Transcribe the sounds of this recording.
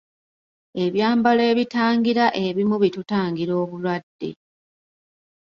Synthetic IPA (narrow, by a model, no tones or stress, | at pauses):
e̞βjaːmbale̞ːβitaːŋɡiɾaʔe̞βimuβitutaːŋɡiɾo̞ːβulwadːe̞̰